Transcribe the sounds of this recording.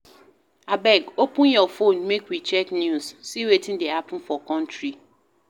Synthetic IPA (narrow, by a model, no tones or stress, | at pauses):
abɛɡopũnjɔfonmekwit͡ʃɛknjussiwetʰĩn̩deapʊ̃n̩fɔkɔ̃ntɹi